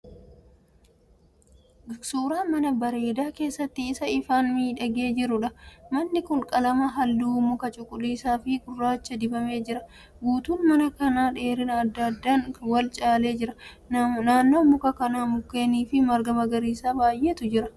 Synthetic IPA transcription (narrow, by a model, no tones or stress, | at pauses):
suːɾaːnmɐnɐbɐɾe̞ːd̪aːke̞ːsːɐt̪ːɪːsɐɪfaːnmiːᶑɐɡe̞ːd͡ʒɪɾʊᶑɐmɐnːɪkʊlkʼɐlɐmɐɦɐlːuːmʊkɐt͡ʃʼʊkʼːʊliːsaːfɪkʼʊrːaːt͡ʃːɐd̪ɪbɐme̞ːd͡ʒɪɾɐ | ɡuːt̪uːnmɐnɐkɐnaːᶑe̞ːɾɪnɐd̪ːɐd̪ːaːnwɐlt͡ʃʼaːle̞ːd͡ʒɪɾɐ | naːnːo̞ːmʊkɐkɐnaːmʊkːe̞ːniːfɪmɐɾɡɐmɐɡɐɾiːsaːbaːjʔeːt̪ʊd͡ʒɪɾɐ